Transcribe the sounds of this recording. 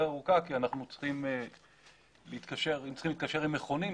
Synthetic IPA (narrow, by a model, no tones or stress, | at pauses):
aʁukakianaχnut͡sχime | leit̪kaʃe̞ʁimt͡sχimlit̪̚kaʃe̞ʁimeχo̞ni